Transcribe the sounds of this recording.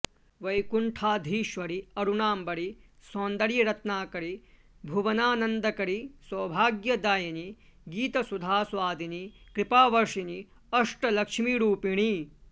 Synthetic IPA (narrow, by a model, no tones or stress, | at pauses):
ʋɐjkuɳʈʰaːd̪ʱiːʃʋɐɾiɐɾuɳaːmbɐɽisoːnd̪ɐɾjɐɾɐt̪naːkɐɾi | bʱuʋɐnaːnɐnd̪ɐkɐɾisɐːbʱaːɡjɐd̪aːjɐniɡiːt̪ɐsud̪ʱaːsʋaːd̪ʱinikɾipaːʋɐɾʂini | ɐʂʈɐlɐkʂmiɾuːpiɳi